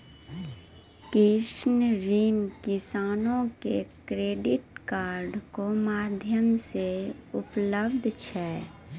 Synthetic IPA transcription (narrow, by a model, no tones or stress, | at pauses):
kɪʃnɾiːnkɪsaːnõkekɾeːɖɪʈkaːɾɖkomaːd̪ʱjəmseʊpləbd̪ʱt͡ʃʰɛː